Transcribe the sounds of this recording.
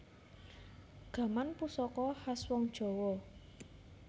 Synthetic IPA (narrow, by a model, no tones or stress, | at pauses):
ɡ̥a̤manpusɔkɔhaswɔŋd̥ʒ̥ɔ̤wɔ